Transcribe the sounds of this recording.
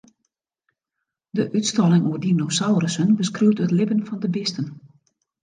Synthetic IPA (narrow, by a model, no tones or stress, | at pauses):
dəʔytstɔlɪŋuərdinosawɾəsənbəskrywtətlɪbənfɔndəbɪstən